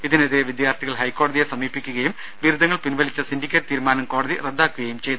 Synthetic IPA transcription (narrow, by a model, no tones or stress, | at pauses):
iðineðiɾeʋid̪jaːrt̪ʰiɣɐɭɦɐjkːo̞ːɽɐðijesɐmiːpːikʲːuɣɐjum | ʋiɾud̪ɐŋːɐɭpinʋɐlit͡ɕːɐsindikʲːɐɾt̪iːɾumaːnɐmko̞ːɽɐðired̪ːaːkːuɣɐjumt͡ɕe̞j̪u